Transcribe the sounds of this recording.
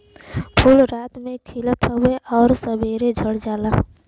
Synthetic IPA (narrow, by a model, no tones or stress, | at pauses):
pʰʊlɾaːt̪mẽkʰilət̪ʰɦəeʔɔːɾsəbeːɾed͡ʒʱəɽd͡ʒaːla